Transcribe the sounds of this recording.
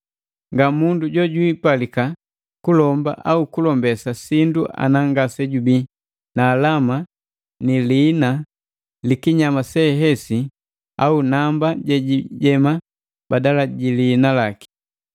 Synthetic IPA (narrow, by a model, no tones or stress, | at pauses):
ŋɡamunduɟɔɟwipalika | kulɔmba̰ʔaukulɔmbɛsasinduʔa̰naŋɡasɛɟubi | naːlama | niliːna | likiɲamasɛɦɛsi | aunambaɟɛɟiɟɛma | badalaɟiliːnalaki̥